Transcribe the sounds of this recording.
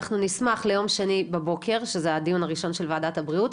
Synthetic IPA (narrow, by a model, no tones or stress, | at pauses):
χnunismaχlejo̞mʃenibebo̞kʰe̞ʁʃezead̪ijunaʁiʃo̞nʃelvaːdatabʁiut